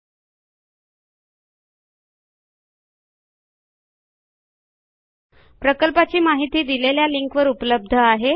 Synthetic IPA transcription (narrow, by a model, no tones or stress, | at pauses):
pɾəkəlpat͡ɕiːmaɦit̪iːd̪ileljaliŋkʋəɾupləb̚d̪ʱəaɦe